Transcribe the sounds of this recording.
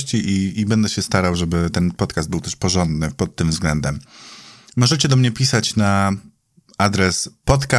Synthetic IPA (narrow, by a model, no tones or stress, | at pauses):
ɕt͡ɕiʔiːbɛnd̪ɛɕɛst̪aɾawʐɛbɘt̪ɛnpɔt̪kazd̪bɘwt̪ɛʂpɔʐɔnd̪nɘpɔt̪ːɘmvzɡlɛnd̪ɛmː | ɔʐɛt͡ɕɛd̪ɔmɲɛpʲisat͡ɕna | ad̪ɾɛspɔt̪ka